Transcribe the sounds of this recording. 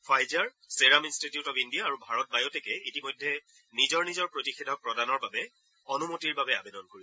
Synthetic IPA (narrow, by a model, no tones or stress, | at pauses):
pʰajzaɹ | seɹaminstitijʊtɔpindijaːɹubʱaɹɔt̚bajɔtɛkɛitimɔjdʱːɛ | nizɔɹnizɔɹpɹotixidʱɔk̚pɹɔdanɔɹbabɛ | ɔnumotiɹbabɛa̰bedɔnkoɹi